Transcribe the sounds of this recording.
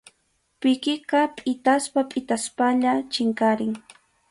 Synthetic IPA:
pɪkɪqɑpʼɪt̪aspapʼɪt̪aspaʎat͡ʃɪŋkaɾɪŋ

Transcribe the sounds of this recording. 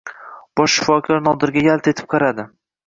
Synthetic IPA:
b̥ɒʃːɪ̥fɒkʰɒɾnɒd̪ɪɾɡʲajalˠt̪ʰe̞t̪ʰɪ̥p̚qʰɑɾad̪ɪ

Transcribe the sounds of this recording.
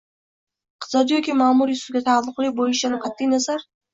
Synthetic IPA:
q̪ʰzɒd̪ijɔkʲʰimaːmuɾisuɡʲat̪ʰalˠːʊqʰlˠibojiʃanʊqʰat̪ʰːinazaɾ

